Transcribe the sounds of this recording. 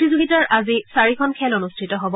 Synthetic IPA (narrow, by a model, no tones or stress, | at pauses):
tizoɡitaɹʔazisaɹikʰɔnkʰɛlɔnustʰitɔɦɔbɔ